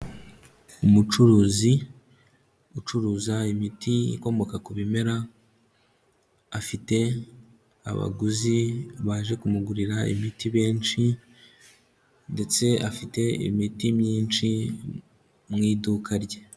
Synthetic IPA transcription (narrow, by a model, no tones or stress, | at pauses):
umut͡ʃuɾuːzi | ut͡ʃuɾuːzaimitiḭko̞mo̞kakuβime̞ɾa | fite̞ | a̰βa̰ɡuziβaːʒe̞kumuɡuɾiɾaḭmitiβe̞ːnt͡ʃi | nde̞t͡se̞afite̞ḭmitimɲiːnt͡ʃi | mŋiːdukʰaɾɟe